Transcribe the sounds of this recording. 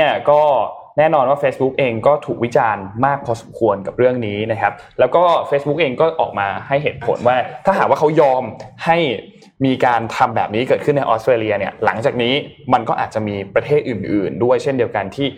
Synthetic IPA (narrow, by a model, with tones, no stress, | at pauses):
ni˥˩ɐkɔː˥˩ | nɛː˥˩nɔː˧nwaː˥˩feː˦˥sbu˦˥k̚ʔeː˧ŋkɔː˥˩t̪ʰuː˨˩k̚wi˦˥t͡ɕaː˧nmaː˥˩k̚pʰɔː˧so˨˩˦mkʰu˧ənka˨˩p̚ɾɯ˥˩əŋniː˦˥na˦˥kʰa˦˥p̚lɛː˦˥wkɔː˥˩feː˦˥sbu˦˥k̚ʔeː˧ŋkɔː˥˩ʔɔ̰ː˨˩k̚maː˧ha˥˩jɦeː˨˩t̪̚pʰo̰˩˦nwaː˥˩t̪ʰa˥˩aː˨˩kwaː˥˩kʰa˦˥wjɔː˧mha˥˩j | miː˧kaː˧nt̪ʰa˧mbɛː˨˩p̚niː˦˥kɤː˨˩t̪̚ʰɯ˥˩nːa˧jʔɔː˦˥st̪ɾeː˧li˧ɐni˥˩ɐla̰˩˦ŋt͡ɕaː˨˩k̚niː˦˥ma˧nkɔː˥˩ʔa̰ː˨˩t̪̚t͡ɕa˨˩miː˧pɾa˧t̪ʰeː˥˩t̪̚ʔɯː˨˩nʔɯ̰ː˨˩ndu˥˩əjt͡ɕʰe˥˩ndi˧əwka˧nt̪ʰiː˥˩